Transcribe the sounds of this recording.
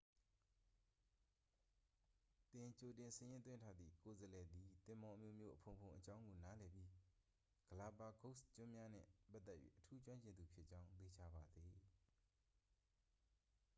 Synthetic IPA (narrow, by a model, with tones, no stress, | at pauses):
t̪ɪ̃˨t͡ɕo˨tɪ̃˨sɪ̃˦˨jɪ̃˦nt̪wɪ̃˦ntʰa˦d̪ðḭ˦˨ko˨zəlɛ˨d̪i˨t̪ɪ̃˨mɔ˨ʔəmjo̰˦˨mjo̰˦ʔəpʰõ˨ʊ̃pʰõ˨ʔət͡ɕã˦ʊ̃ŋɡo˨na˦lɛ˨pji˦ | ɡ̥əla˨pa˨kʰo˦ʔst͡ɕʊ̃˦mja˦n̥ɪ̰̃˦˨pa˦ʔt̪ːɛ˦ʔjɥḛ˦ʔətʰu˦t͡ɕwã˦ɲt͡ɕɪ̃˨nd̪u˨pʰjɪ˦ʔt͡ɕã˦ʊ̃t̪e˨t͡ɕʰa˨ba˨d̪ði˨